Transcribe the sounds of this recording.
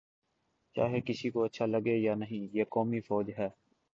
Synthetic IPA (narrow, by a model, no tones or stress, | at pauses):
t͡ʃa̰ːɦekɪsikoətːʃʰaːləɡeːjaːnəɦĩːjeːkɔːmifɔːd͡ʒɦɛː